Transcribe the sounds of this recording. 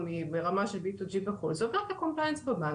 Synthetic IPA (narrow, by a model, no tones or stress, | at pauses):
mibeʁamaʃelbit̪ud͡ʒiveχulzovaat̪akomplajnsbama